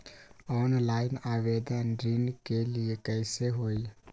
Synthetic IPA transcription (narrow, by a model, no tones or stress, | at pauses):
ɔːnlaːɪnaːʋeːd̪ənɾiːnɖkeliekɛɪseɦoːi